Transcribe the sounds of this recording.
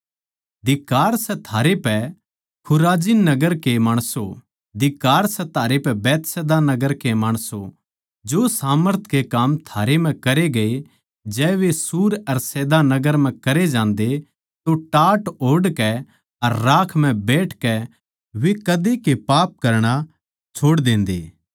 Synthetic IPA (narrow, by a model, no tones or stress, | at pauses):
d̪ɪkaːɾsɛt̪ʰaːɾepɛ | kʰʊɾaːd͡ʒinɐɡəɾkemaːɽ̃so | d̪ɪkaːɾsɛt̪ʰaːɾepɛbɛːt̪sɛːd̪anɐɡəɾkemaːɽ̃so | d͡ʒoːsaːməɾt̪ʰkekaːmt̪ʰaːɾem̤ɛ̃kɐɾeɡɐe | d͡ʒɛːʋesuːɾɐɾsɛːd̪anɐɡəɾm̤ɛ̃kɐɾed͡ʒãːnd̪e | t̪oʈaːʈoːɽkɛ | ɐɾːaːkʰm̤ɛ̃bɛːʈʰkɛ | ʋekɐd̪ekepaːp̚kɐɾɽ̃a | t͡ʃʰoːɽd̪ẽːnd̪eː